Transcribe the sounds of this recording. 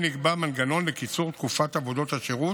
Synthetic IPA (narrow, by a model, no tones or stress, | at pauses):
niɡbamanɡano̞nlekit͡suʁt̪kufat̪avo̞d̪o̞t̪haʃeʁu